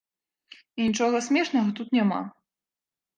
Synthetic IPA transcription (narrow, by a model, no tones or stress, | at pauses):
inʲit͡ʂɔɣɐsʲmʲɛʂnɐɣɐt̪ut̪nʲama̰